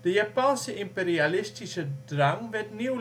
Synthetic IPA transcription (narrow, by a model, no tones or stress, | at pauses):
d̥əjapansəimpeɾialɪstisədraŋʋɛtniw